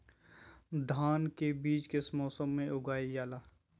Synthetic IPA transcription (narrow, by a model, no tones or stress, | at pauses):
d̪ʱaːnkebiːt͡ʃkesmɔːsəmːẽʔʊɡaːijaːlaː